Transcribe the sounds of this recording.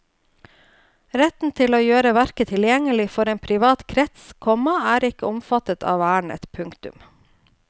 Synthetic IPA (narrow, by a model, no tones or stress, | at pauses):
ɾɛt̪n̩t̪ʰɪloːjøːɾəʋæɾkət̪ʰɪljɛŋəlɪfɔɾeːnpʰɾɪʋɑːt̪kʰɾɛt̪skʰɔmɑæːɾɪkəʊmfɑt̪ət̪ʰɑ̰ːʋæːɳɛ̰t̪pʰʉŋkt̪ʉ̰m